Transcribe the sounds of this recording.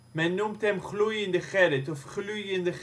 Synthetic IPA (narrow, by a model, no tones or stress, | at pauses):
mɛnːumtɛmχlujɪnd̪əχɛɾɪtɔfχlujɪnd̪əχ